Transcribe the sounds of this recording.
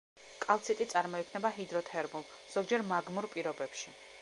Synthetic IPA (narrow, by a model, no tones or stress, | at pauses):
kʼalt̪sʰit̪ʼit̪sʼaɾmɔikʰnɛbaɦid̪ɾɔt̪ʰɛɾmulˠ | z̥ɔɡd͡ʒɛɾmaɡmuɾpʼiɾɔbɛpʃi